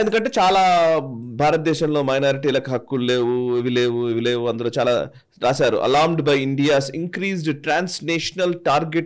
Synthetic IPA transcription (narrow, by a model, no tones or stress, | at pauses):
end̪ukɐɳʈe̞ːt͡ʃaːlaːbʱaːɾɐt̪̚d̪ɛːʃɐmlo̞ːmɐjnaːɾiʈiːlɐkɦɐkːule̞ːʋueʋile̞ːʋueʋile̞ːʋuɐnd̪ɐloːt͡ʃaːla̰ː | ɾaːsaːɾṵʔɐ̰laːɾmɖbɐjiɳɖijaːsiŋkɾiːzɖʈɾaːnsneːʃɐnɐlʈaːɾɡeʈ